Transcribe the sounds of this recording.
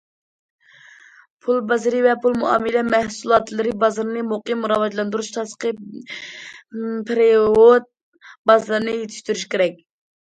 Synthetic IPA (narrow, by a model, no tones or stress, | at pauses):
pʰulˠbɑzɾɨvɛpʰulˠmuɑ̰ːmɨlɛmɛhsulˠɑt̪lˠɨɾɪbɑzɨɾɨnɨmoqimːuɾɑwɑt̪lˠɑnd̪uɾuʃt̪ʰɑsə̥qə | pʰɾeot̪̚ | bɑzlˠɨɾɨnɨjet̪ʰɪ̥ʃt̪yɾyʃkʲʰeɾɛk̚ʲ